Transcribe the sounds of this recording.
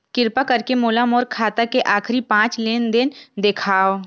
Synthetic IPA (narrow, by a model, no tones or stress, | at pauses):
kɪɾpakɐɾkemoːlamoːɾkʰaːt̪akeʔaːkʰɾipãːt͡ʃleːnd̪ɪnd̪ɪkʰaːo